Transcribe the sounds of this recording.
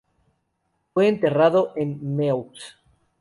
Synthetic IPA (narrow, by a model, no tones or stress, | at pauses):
fwe̞ːnt̪e̞raðoʔenːews